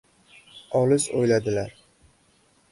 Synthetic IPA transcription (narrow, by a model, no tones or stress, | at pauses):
ɒlɪzo̰jlad̪ɪlaɾ